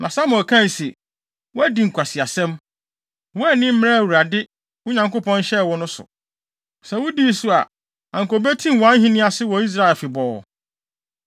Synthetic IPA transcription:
nã˨sa˦mʊ̃˨ɔ˨kʰã˦˨n˨se˨ | wʊ˦æ˦di˨ŋ̩˨kʷʰa˨si˨a˨sɛ̃˦m | wʊ˦æ˦nɪ̃˦m̩˦mɪ̃˦ɾɛ˦˨wu˨ɾa˨dɪ˦ | ʊ˦ɲã˨ŋko˦pʰɔ̃˦n˦ɕɛ˦˨wʊ˦nʊ̃˦sʊ̰˨ | sɛ˨wʊ˦di˦˨sʊ˦a˨ | ã˨ŋko˨be˦tʰĩ˦m˨wɔ˨ã˨˦n˦ɦĩ˦nɪ̃˦a˦sɪ˦wɔ˨i˦s̬ɾa˦ɛ˨fɪ˨bɔː˨ɔ̰˨

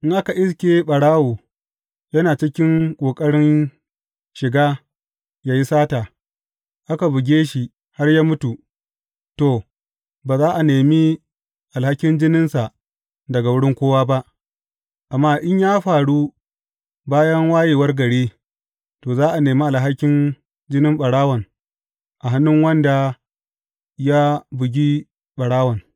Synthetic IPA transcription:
ʔɪ˦ŋʔa˦ka˨ʔɪ˦skʲeː˦ɓɐ˨ɽaː˦woː˨ | jɐ˦naː˨t͡ʃɪ˦kʲɪ˦ŋkʷʼoː˨kʼɐ˦ɽɪ˦n | ʃɪ˨ɡaː˦ | jaː˦ji˦saː˦taː˨ | ʔa˦ka˨bʊ˨ɡʲeː˦ʃi˨ | ha˦rjaː˦mʊ˦tu˨ | toː˨ | baː˨zaː˦ʔa˨neː˨mi˦ | ʔa˨lha˦kʲɪ˦nd͡ʒɪ˦nɪ˦nsa˨ʔ | dɐ˨ɡa˨wʊ˦ɽɪ˦ŋkʷoː˦waː˦ba˦ʔ | ʔa˨mːaː˦ʔɪ˦ɲjaː˦ɸaː˨ɽu˦ | baː˦jɐ˦ŋwaː˦jeː˨wɐ˦rɡɐ˨ɽeː˦ | toː˨zaː˦ʔa˨neː˨mi˦ʔa˨ɦa˦kʲːɪ˦n | d͡ʒɪ˦nɪ˦mɓɐ˨ɽaː˦wɐ˨n | ʔa˨ɦa˦nːʊ˦ŋwɐ˦nda˨ | ja˦bʊ˨ɡʲi˦ | ɓɐ˨ɽaː˦wɐ˨n

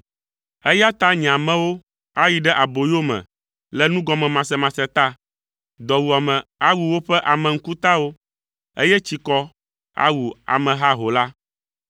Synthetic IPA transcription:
ɛ˦ja˦t̪a˦ɲĩ˨ã˨mɛ̃˦wo˦ | a˦ji˨ɖɛ˦ʔa˨bo˨jo˦mɛ̰̃˨ | lɛ˦nũ˦ɡɔ˨mɛ̃˨mã˨sɛ˨mã˨sɛ˨t̪a˦ | d̪ɔ˨wu˨a˨mɛ̃˨a˦wu˨wo˦ɸɛ˦ʔa˨mɛ̃˨ŋ̩˦ku˦t̪a˦wo˦ | ḛ˦jɛ˦t͡ɕi˨kɔ˦ | a̰˦wu˨a̰˨mɛ̃˨ɦa˦ɦo˨la˦

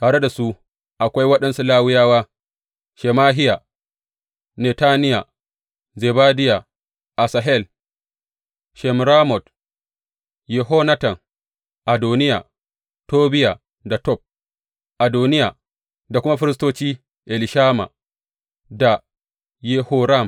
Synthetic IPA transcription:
taː˨ɽe˦da˨su˦ | ʔa˨kʷa˦jwɐ˦ɗɐ˦nsu˦laː˦wɪ˦jaː˦waː˦ | ʃɛ˨maː˦ɦɪ˦ja˨ | ne˨taː˦nɪ˦ja˨ | zeː˨baː˦dɪ˦ja˨ | ʔa˨sa˨ɦɛ˦˨l | ʃɛ˨mɾaː˦mɔ˨t | je˨ɦo˦na˦tɐ˨ŋ | ʔa˨doː˨nɪ˦ja˨ | toː˦bɪ˦ja˨ | da˨tɔ˦˨p̚ | ʔa˨doː˨nɪ˦ja˨ | da˨kʷʊ˦ma˦ɸɪ˦ɾɪ˦s̬toː˦t͡ʃiː˦ | ʔɛ˨lɪ˨ʃaː˦ma̰˨ | da˨ | je˦ho˦ɾa˦˨m

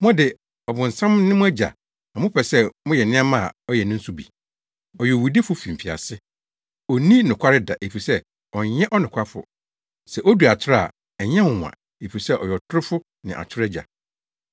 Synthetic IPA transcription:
mɔ̃˦dɪ˨ | ɔ˨bʊ̃˨n̩˨sã˦mnɪ̃˦mʊ̃˦æ˦d͡ʑa̰˨ | nã˨mʊ̃˦pʰɛ˨sɛ˦mʊ̃˦jɛ˨nɪ̃˦a˦mã˦a̰˨ɔ˦jɛ˨nɪ̃˦n̩˦sʊ˦bḭ˨ | ɔ˨jɛ˨wu˨di˦fʊ˦fĩ˨m̩˨fi˨a̰˨sɪ˦ | ɔ˨nĩ˦nʊ̃˨kʷʰa˦ɾɪ˦da̰˨ʔe˨fi˨sɛ˦ | ɔ˨ɲɛ̃˦ʔɔ˦nʊ̃˨kʰa˦fʊ̰˨ | sɛ˨ʔo˦du˨a˨t͡ɕʰɪ˦ɾa˨ | ɛ˨ɲɛ̃˦mʊ̃˨m˨ã̰˨ | e˨fi˨sɛ˦ʔɔ˨jɛ˨ɔ˨tʰʊ˦ɾʊ˦fʊ˦ | nɪ̃˨ʔa̰˨t͡ɕʰɪ˦ɾɛ˦d͡ʑa̰˨

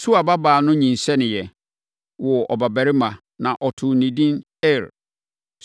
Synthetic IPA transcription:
su˦a˨ba˦baː˨nʊ̃˦ɲĩ˨n̩˨sɛ˦nɪ̃˨jɛ˨ | wɔ˨ɔ̰˨ba˨bæ˨ɾɪ˦mã˨ | nã˨ʔɔ˨tʰʊ˨nĩ˨dĩ˦n | ɛ˦˨ɾ

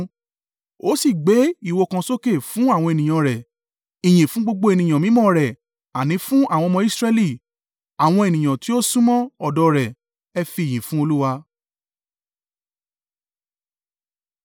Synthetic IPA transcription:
o˨˦si˦˨ɡ͡be˨˦i˦˨wo˧kã˧so˦ke˦˨fũ˦a˦˨w̃ɔ̃˧e˨nĩ˨j̃ã˨˧ɾɛ˨ | ĩ˨j̃ĩ˨fũ˨˦ɡ͡bo˧ɡ͡bo˧˦e˧nĩ˨j̃ã˨mĩ˨˦mɔ̃˦ɾɛ˨ | a˨nĩ˨˦fũ˦a˦˨w̃ɔ̃˧mɔ̃˧i˦sɾɛ˧li˦˨ | a˨w̃ɔ̃˧e˨nĩ˨j̃ã˨ti˦o˦sũ˦mɔ̃˦ɔ˦˨dɔ˧ɾɛ˨ | ɛ˧fi˦˨j̃ĩ˨fũ˦o˧lu˦wa˧

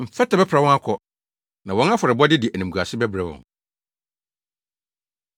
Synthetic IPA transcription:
m̩˨fɛ˦tʰa˨bɛ˦pʰɾa˨wɔ̃˦a˦kʰɔ˨ | nã˨wɔ̃˦n˦a˦fɔ˨ɾɪ˨bɔ˦dɪ˦dɪ˨ʔæ˨nĩ˨m˨ɡu˨a˨sɪ˦bæ˦bɾɛ˨wɔ̰̃˨n

